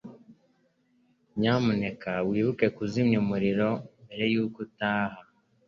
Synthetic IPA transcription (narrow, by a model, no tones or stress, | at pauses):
ɲamune̞kawiːβuke̞kuzimɲumuɾiɾo̞mbe̞ɾe̞juːkutaːha